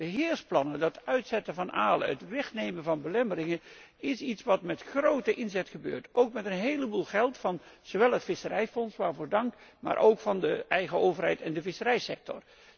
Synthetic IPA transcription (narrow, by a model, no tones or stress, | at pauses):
b̥əɦɪːɹsplɑnəndɑtœɥtsɛtəvɑnʔaːlə̰ə̰tʋɛχnejmənvɑnbəlɛməɾɪŋə | ɪsitsʋɑtmɛtχrowtəʔɪnzɛtχəbø̰ːɹtowkmɛtənɦejləbulˠχɛlˠtfɑnz̥owʋɛlˠɦətfɪsərɛjfɔnsʋaːɹvʊːɹdɑŋkma̰ːɹʔowkfɑndəɛjχəowvərɦɛ̰jtɛndəvɪsəɾɛjsɛk̚tɔ̰r